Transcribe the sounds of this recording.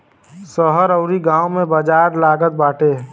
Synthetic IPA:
səɦəɾəʊɾiɡãːwmẽbəd͡ʒaːɾlaːɡət̪̚baːʈe

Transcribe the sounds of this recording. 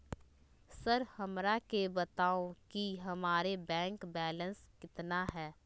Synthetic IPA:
səɾhɐmɾakebət̪aːokiɦɐmaːɾebɛ̃ːŋkbɛːlə̃nskɪt̪naɦɛː

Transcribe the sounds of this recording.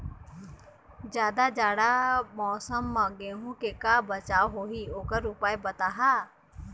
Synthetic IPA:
d͡ʒjaːd̪ad͡ʒaːɽamɔːsəmːãɡeːɦũkekaːbət͡ʃaːoɦoːɦioːkəɾʊpaːebət̪aːɦaː

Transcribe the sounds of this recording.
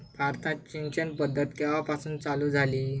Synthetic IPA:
bʱaɾt̪ãt͡ɕint͡ɕənpəd̪ʱːət̪kaʋapasuːnt͡saluːd͡zʱaliː

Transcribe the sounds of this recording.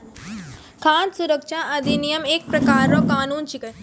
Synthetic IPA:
kʰãːt̪sʊɾəkʃaʔɐd̪inijəmeːk̚pɾɐkaːɾːoːkaːnuːnt͡ʃikə

